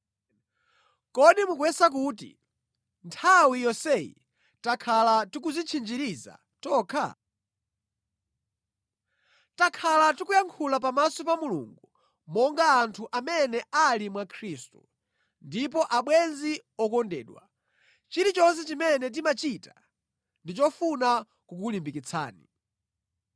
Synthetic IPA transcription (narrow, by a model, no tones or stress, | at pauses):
kɔɗimukwɛsak̬uːtḭ | ntʰawijɔsɛjḭ | takʰalatik̬uzit͡ʃʰind͡ʒiɾiza̰ | tɔːkʰa̰ | takʰalatikujaŋkʰulap̬amasɔpamulṵŋɡu | mɔŋɡaːntʰuʔamɛnɛalimwakʰɾiːstṵ | ndip̬ɔʔaɓwɛnziɔkɔndɛ̰ːɗwa̰ | t͡ʃiɾit͡ʃɔns̬ɛt͡ʃimɛnɛt̬imat͡ʃita | ndit͡ʃɔfuna | kuk̬ulimbikit͡sʰa̰ːni